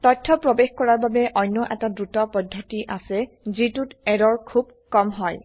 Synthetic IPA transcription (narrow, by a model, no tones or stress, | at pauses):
tɔjtʰːɔpɹɔbexkɔɹaɹbabɛʔɔjnːɔʔɛtadɹutɔpɔdʱːɔtiʔasɛ | zitutɛɹɔɹkʰub̚ | kɔmɦɔj